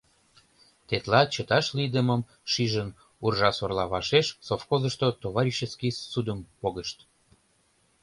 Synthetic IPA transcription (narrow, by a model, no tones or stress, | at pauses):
t̪et̪lɑt͡ɕət̪ɑʃlid̪əməm | ʃiʒən | urʒɑsorlɑβɑʃeʃsofxozəʃt̪ot̪oβɑɾʲiʃəskisud̪əmpoɣəʃt̪